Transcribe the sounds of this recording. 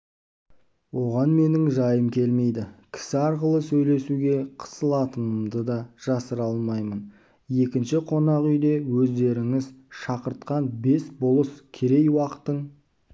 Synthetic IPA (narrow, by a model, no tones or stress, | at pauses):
wo̞ʁɑnme̞nɪŋʒɑjəmkʲʰe̞lme̞jd̪ɪkʲʰɪ̥sɪɑɾqəlˠəsɵjle̞suɡʲe̞qʰə̥səlˠɑt̪ənəmd̪əd̪ɑʒ̥ɑsəɾɑlˠmɑjmən | je̞kʲɪnʃɪqʰo̞nɑqʏjd̪e̞wɵzd̪e̞ɾɪŋɪzʃɑqəɾt̪qɑnbe̞sbolˠəskʲʰe̞ɾe̞jwɑqə̥t̪ːəɴ